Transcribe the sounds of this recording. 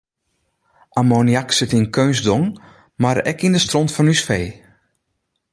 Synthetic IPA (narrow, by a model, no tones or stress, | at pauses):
ʔamonjaksɪtinkʰøːnzdoŋ | maɾɛ̰kindəstrɔntfɔnysfeː